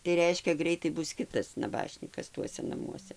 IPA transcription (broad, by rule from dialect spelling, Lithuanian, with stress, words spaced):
tɐɪ ˈrʲɛɪʃʲkʲɛ ˈɡrʲɛɪtɐɪ ˈbʊs ˈkʲɪtɐs nɐˈbɑːʃʲnʲiːkɐs ˈtuɔsʲɛ nɐˈmuɔsʲɛ